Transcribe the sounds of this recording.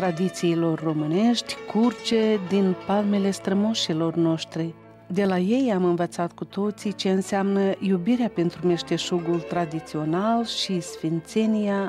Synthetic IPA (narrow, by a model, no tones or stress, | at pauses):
t̪ɾad̪it̪siːlo̞rːo̞mɨne̞ʃt̪ʲkurt͡ʃed̪inpalme̞le̞st̪ɾəmoʃilo̞rno̞ʃt̪ɾi | d̪e̞laje̞jamɨnvət̪sat̪kut̪o̞t̪sit͡ʃe̞ɨnseamnəjubiɾeape̞nt̪ɾume̞ʃt̪e̞ʃuɡult̪ɾad̪it̪sio̞nalʃisfint̪se̞nija